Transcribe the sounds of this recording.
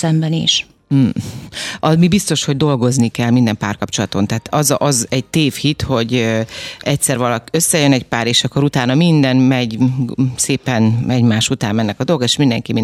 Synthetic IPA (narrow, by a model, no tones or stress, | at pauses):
ɛmbɛnḭʃ̩ | ɒmibist̪o̞ʃho̞ɟ̚d̪o̞lɡo̞znikɛlmind̪ɛmpa̰ːrkɒpt͡ʃo̞lɒt̪o̞nt̪ɛːt̪ɒzʔɒzɛɟ̚t̪eːfhit̪ho̞ɟ | ɛc̪sɛrvɒlɒkøsːɛjønɛɟpaːɾeːʃɒkːo̞ɾut̪aːnɒmind̪ɛnmɛɟseːpɛnmɛɟmaːʃut̪aːmɛnːɛkɒd̪o̞lɡɒeːʃmind̪ɛŋkimi